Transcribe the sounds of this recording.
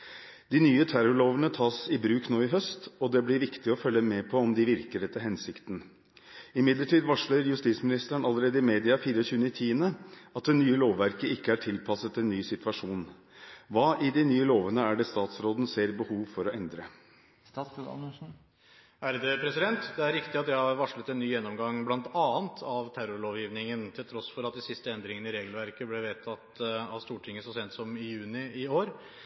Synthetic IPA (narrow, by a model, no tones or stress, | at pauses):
d̪ɪnyːət̪ʰæɾɔɭoːʋənət̪ʰɑːsɪbɾʉːknoːɪɦœst̪ɔd̪ɛblɪɾʋɪkt̪ɪɔfœlːəmɛpʰɔɔmd̪ɪʋɪɾkəɖɛt̪ʰːəɦɛnsɪkt̪n̩ | ɪmɪd̪ləʈʰiːd̪ʋɑʂləɾjʉst̪iːt̪smɪnɪst̪əɾəɳɑlːəɾeːd̪əɪmeːd̪ɪɑfiːɾəɔçʉːənɪt̪ʰiːənəɑt̪̚d̪ɛnyːəloːʋːæɾkəɪkːəæʈʰɪlpʰɑsət̪ɛnːyːsɪt̪ʋɑʂuːn | ʋɑːʔɪd̪ɛnyːəloːʋənəæɖɛst̪ɑːt̪sɾoːd̪nəseːɾbəhuːʋfɔɾɔʔɛnd̪ɾə | ʔæɾd̪ʉpʰɾɛsɪd̪ɛnt̪d̪ɛæɾɾɪkt̪ɪɑt̪jɛhɑɾʋɑʂlət̪ɛnːyːjɛnːɔmɡɑŋblɑnt̪ɑːnt̪ʰɑʋt̪ʰæɾʊɾɭoːʋjiːʋnɪŋənt̪ʰɪlt̪ʰɾɔsfɔɾɑt̪̚d̪ɪsɪst̪əɛnd̪ɾɪŋənɪɾeːɡəl̩ʋæɾkəblɛʋeːt̪ʰɑt̪ɑst̪uːʈʰɪŋːəsɔsɛnt̪sɔmɪjʉːnɪɪoːɾ